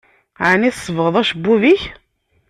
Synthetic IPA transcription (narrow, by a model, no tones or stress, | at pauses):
ʕaniθsˤːəvəʁəðˤæʃbːuviç